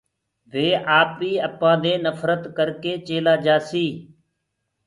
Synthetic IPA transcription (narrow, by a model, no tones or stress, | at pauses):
ʋeːʔaːpʋiːəpãːd̪eːnəfɾət̪kəɾkeːt͡ʃeːlaːd͡ʒaːsiː